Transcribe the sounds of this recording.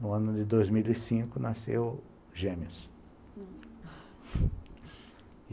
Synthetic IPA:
nʊɐ̃nʊd̪ɪd̪ojzmilisĩkʊnasḛw | ʒẽmiʊs

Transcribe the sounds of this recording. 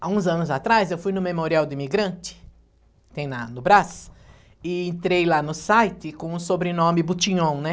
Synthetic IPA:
aũzɐ̃nʊzat̪ɾajzewfujnʊmemoɾiawd̪ʊimiɡɾɐ̃nt͡ʃ̪ɪ̥ | t̪ẽj̃nɐnʊbɾas | ɪẽnt̪ɾejlanʊsajt̪ɪkõũsobɾenõmɪbut͡ʃĩɲõw̃nɛ

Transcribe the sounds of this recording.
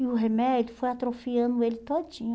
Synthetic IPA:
ɪʊɦemɛd͡ʒʊfojat̪ɾofiɐ̃nd̪ʊelɪt̪od͡ʒĩɲʊ

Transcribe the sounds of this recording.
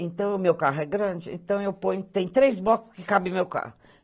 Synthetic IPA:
ẽnt̪ɐ̃w̃ʊmewkaɦʊɛɡɾɐ̃d͡ʒɪḛ̃nt̪ɐ̃w̃ewpõɲʊt̪ẽj̃t̪ɾejzbɔkʊ̥skɪkabɪ̃mewka̰hʊʊ

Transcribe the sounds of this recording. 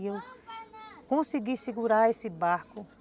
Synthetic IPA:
ew | kõsiɡisiɡuɾaesɪbaɾkʊ

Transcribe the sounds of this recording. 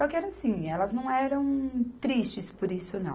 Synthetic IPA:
sɔkɪɛɾɐsĩɛlɐznɐ̃w̃ɛɾɐ̃w̃t̪ɾist͡ʃɪspoɾisʊnɐ̰̃w

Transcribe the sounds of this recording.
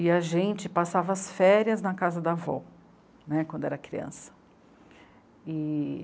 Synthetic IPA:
ɪɐʒẽnt͡ʃɪpasavɐːsfɛɾjɐznɐkazɐd̪avɔ̰ | nɛkʷwɐ̃nd̪ʊɛɾɐkɾiɐ̰̃sɐ̥ | ɪ

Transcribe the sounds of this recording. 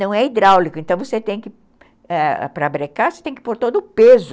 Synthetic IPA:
nɐ̃w̃ɛid̪ɾawlikʊẽnt̪ɐ̃w̃voset̪ẽj̃kɪ | ɛ̰pɾɐbɾekaɾvose̥t̪ẽj̃kɪ̥poɾt̪od̪ʊːpezʊ

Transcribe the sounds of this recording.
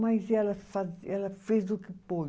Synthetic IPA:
majzɛlɐfazɛlɐfezd̪ʊkɪpo

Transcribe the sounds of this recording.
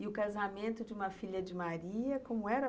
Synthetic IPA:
ɪʊkazamẽnt̪ʊd͡ʒɪũmɐfiʎɐd͡ʒɪmaɾiɐkõmʊɛɾɐ

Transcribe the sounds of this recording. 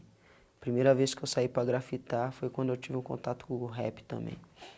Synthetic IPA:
pɾimejɾɐveskɪewsaipɾɐɡɾafit̪aɾfojkwɐ̃nd̪ʊewt͡ʃivɪũkõ̰nt̪at̪ʊ̥kũɡwɦɛ̰pɪ̥t̪ɐ̃mbḛ̃j̃

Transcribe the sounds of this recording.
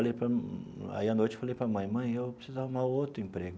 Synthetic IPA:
alejpɾɐa̰iɐnojt͡ʃɪ̥falejpɾɐmɐ̃j̃mɐ̃j̃ewpɾisizaumãowt̪ɾʊẽmpɾeɡʊ

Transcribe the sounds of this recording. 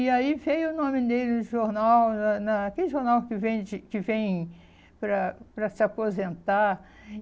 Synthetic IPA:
ɪaivejʊʊnõmɪd̪elɪnʊʒoɾnawnɐnɐːkelɪʒoɾnawkɪvẽj̃d͡ʒɪkɪvẽj̃ | pɾɐpɾɐsɪapozẽnt̪aɾ

